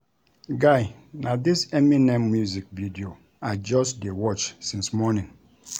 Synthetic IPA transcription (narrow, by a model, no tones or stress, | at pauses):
ɡaɪ | nadiseminemːjuzik̚vidio | ad͡ʒɔsdewɔt͡ʃsĩnsmɔnĩn